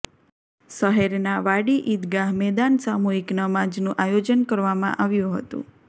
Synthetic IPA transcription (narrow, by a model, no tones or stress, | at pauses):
ʃəɦɛɾnaʋaɽiʔit̪ɡaɦmɛd̪ansamuɦiknəmad͡ʒnũʔajod͡ʒənkəɾʋamã̰ʔaʋjũɦə̰t̪ṵ̃